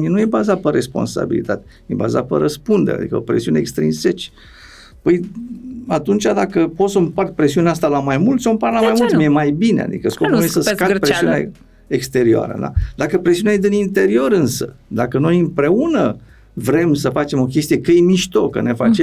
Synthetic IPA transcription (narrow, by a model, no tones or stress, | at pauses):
ienujebazat̪̚peɾe̞spo̞̰nsa̰bḭlḭt̪at̪e̥ | jeba̰za̰pḛɾəspund̪eɾḛad̪ḭkəopɾe̞̰siunḛːkst̪ɾḭnse̞t͡ʃʲ | pəj | at̪unt͡ʃʲad̪akəpot̪səmpart̪̚pɾe̞siuneast̪alamajmult̪sompaɾlamajmult̪mjemajbine̞̰a̰d̪ḭkəsko̞punujesəskapɾesiuna | ekst̪e̞ɾioa̰ɾə̰d̪a̰d̪akəpɾesiunajed̪ɨinint̪e̞ɾio̞ɾɨnsə̰d̪akəno̞jɨmpɾe̞unə | vɾe̞msəfat͡ʃe̞mo̞kʲest̪ije̞kəjemiʃt̪o̞kə̰ne̞fat͡ʃe